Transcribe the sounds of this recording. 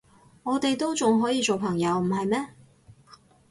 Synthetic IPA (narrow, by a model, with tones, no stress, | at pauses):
ŋɔː˨˧t̪e˨jt̪o˥wt͡sʊ˨ŋɦɔː˨˥jiː˧t͡so˨wpʰɐ˨˩ŋjɐ˨˧wm̩˨˩ɦɐ˨jmɛː˥